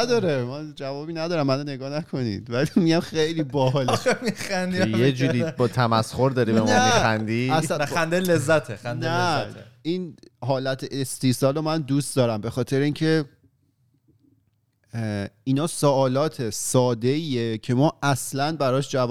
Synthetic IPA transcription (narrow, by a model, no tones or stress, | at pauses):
d̪ɒːɾemænd͡ʒævɒːbiːnæd̪ɒːɾæmːænone̞ɡɒːnækʰo̞nḭːd̪̥vælimiɟæmxejliːbɒːɦlmixænd̪ijed͡ʒuːɾibɒt̪ʰæmæsχoɾd̪ɒɾibemnɔæmmixænd̪iæsnæænd̪elezːæt̪ʰexændneæeæt̪ʰeinɦɒːlæt̪ʰeʔest̪ʰiːsɒːlomænd̪uːst̪̚d̪ɒːɾæmbe̞xɒːt̪ʰe̞ɾeincʰe̞ | iːnɒːsɔʔːlɒːt̪ʰesɒːd̪e̞iːecʰe̞mɒːʔæslænbæɾɒːʃd͡ʒæv